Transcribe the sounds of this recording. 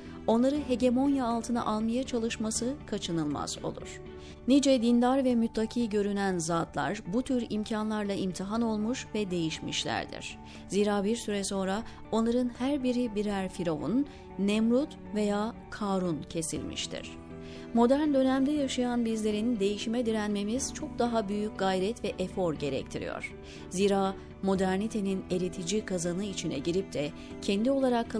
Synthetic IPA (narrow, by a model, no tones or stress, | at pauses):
o̞nlˠaɾɯɦe̞ɟe̞mo̞njaːlˠt̪ʰɯna̰ʔalˠmajat͡ʃʰalˠɯʃmasɯkʰat͡ʃʰɯnɯlˠma̰z̥o̞̰lˠṵɾ̥ | nid͡ʒɛd̪ind̪aɾvɛmyt̪lˠacʰiːɟø̞ɾynænzaːt̪lˠa̰ɾbut̪ʰyɾimcʰanlˠaɾlˠaʔimt̪ʰiɦano̞lˠmuʃvɛd̪e̞jiʃmḭʃlʲæ̰ɾd̪ḭɾ̥ | ziːɾaːbiɾsyɾɛso̞nɾa | o̞nlˠaɾɯnhæɾbiɾibiɾæɾfiɾovṵnː | ɛmɾut̪ | ve̞jaːkʰaɾuncʰe̞sḭlʲmḭʃt̪ʰḭɾ̥ | mo̞d̪æɾnd̪ø̞næmd̪ɛjaʃɯjanbizlʲe̞ɾind̪e̞jiʃimɛd̪iɾænme̞miz̥t͡ʃʰo̞k̚d̪aɦabyjycɡ̥ajɾɛt̪vɛʔefo̞ɾɟe̞ɾɛ̰c̚t̪ʰiɾḭjo̰ɾ̥ | ziːɾaː | mo̞d̪æɾnit̪ʰe̞nine̞lʲit̪ʰid͡ʒikʰazanɯit͡ʃʰinɛ̰ɟiɾip̚t̪ʰɛ | cʰɛnd̪io̞lˠaɾakʰː